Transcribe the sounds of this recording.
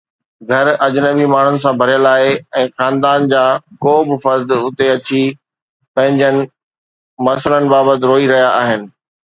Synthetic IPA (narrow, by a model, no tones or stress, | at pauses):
ɡʱɐɾɐd͡ʑɪnəbimaːɳ̤ʊnɪ̆sãbʱɐɾijəlaːeɛ̃ːxaːnd̪aːnd͡ʑaːkoːbɪ̆fɐɾd̪ʊt̪eɐt͡ɕi | pɐ̃ɦɪ̃ɲd͡ʑənɪ̆ | mɐsələnɪ̆baːbət̪ɪɾoːiɾɐɦijaʔaːɦɪnɪ̆